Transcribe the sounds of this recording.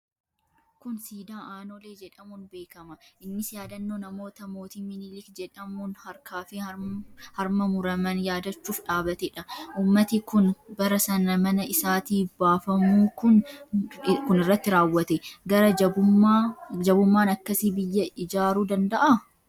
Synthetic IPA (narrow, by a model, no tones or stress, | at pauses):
kʊnsiːd̪aːʔaːnoːleːd͡ʒɛᶑɐmʊnbe̞ːkɐmɐʔɪnːɪsjaːd̪ɐnːoːnɐmo̞ːt̪ɐmoːt̪ɪmːɪnɪlɪkd͡ʒɛᶑɐmʊnhɐɾkaːfɪ | hɐɾmɐmʊɾɐmɐnjaːd̪ɐt͡ʃːuːfᶑaːbɐt̪ɛᶑɐʔuːmːɐt̪ɪkʊnbɐɾɐsɐnɐmɐnɐʔɪsaːt̪iːbaːfɐmuːkʊn | kʊnɪrːɐt̪ːɪɾaːwːɐt̪ɛɡɐɾɐɐ | d͡ʒɐbʊmːaːnɐkːɐsiːbɪjːɐɪd͡ʒaːɾuːd̪ɐnd̪ɐʔɐ